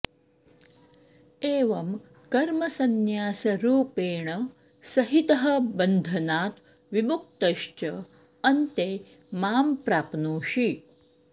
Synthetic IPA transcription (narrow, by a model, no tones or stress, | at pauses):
eːʋɐm | kɐɾmɐsɐnjaːsɐɾuːpeːɳɐ | sɐɦit̪ɐɦɐbɐnd̪ʱɐnaːt̪ | ʋimuk̚t̪ɐʃt͡ʃɐ | ɐnt̪eː | maːmpɾaːpnoːʃi